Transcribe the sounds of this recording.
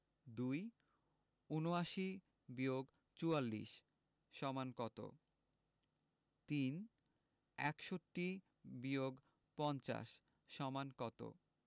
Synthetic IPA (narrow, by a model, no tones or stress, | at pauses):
d̪uj | unoaʃi | bioɡ | t͡ɕualːḭʃː | ɔmankɔt̪o̰ | t̪in | ɛkʃoʈːi | bioɡ | pɔnt͡ɕa̰ʃ | ʃɔmankɔt̪o̰